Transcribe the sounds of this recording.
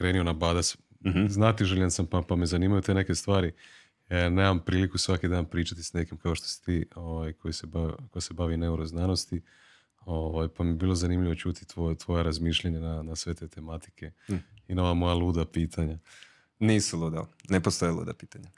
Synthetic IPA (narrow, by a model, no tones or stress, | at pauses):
kɾe̞ːnionabaːd̪as | znaːt̪iʒeʎensampapame̞zanimajut̪e̞ne̞kest̪ʋaːɾi | ene̞ːmampɾiːlikusʋakid̪aːnpɾiːt͡ʃat̪i̥sne̞kimkao̞ʃt̪osi̥t̪iːoʋajkʰojsebakojase̞baʋine̞uɾoznaːno̞st̪i | oʋajpamiebiːlo̞zanimʎiʋo̞t͡ʃuːt̪i̥t̪ʋot̪ʋo̞jeɾazmiːʃʎaɲananasʋe̞t̪e̞ːt̪e̞mat̪i̥kʰe̞ino̞ʋamojalˠuːd̪apiːt̪ʰaɲa | niːsulˠuːd̪aonepost̪ojelˠṵd̪apiːt̪aɲa